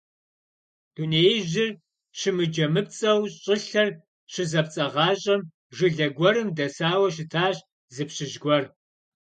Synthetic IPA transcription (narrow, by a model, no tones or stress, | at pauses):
d̥uneːjʑɪr | ɕɪmɨd͡ʒɐmɨpt͡sʼɐwɕʼɪɬɐr | ɕɪzɐpt͡sʼɐʁɑːɕʼɐm | ʐʒɨɮɐɡʷɔɾɨmdɐsaːwɐʃ̬ɪtʰaːɕ | zɨpɕɨʒɡʷɔr